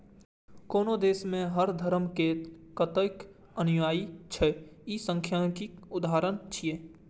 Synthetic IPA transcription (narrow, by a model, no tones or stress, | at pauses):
koːnod̪eːsmẽɦəɾd̪ʱəɾmkekət̪ək | ənjaːit͡ʃʰɛisə̃ŋkʰjãkiʊd̪aːɾənt͡ʃʰieː